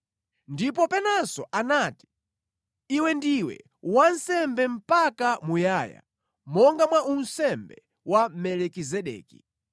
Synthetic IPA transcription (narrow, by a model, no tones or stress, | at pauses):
ndipɔpɛnasɔʔanati̥ | iwɛndiwɛ̰ | wan̩sɛmbɛm̩pakamujaja̰ | mɔŋɡamwaʔunsɛmbɛ | wamɛlɛkizɛɗɛ̰ːkḭ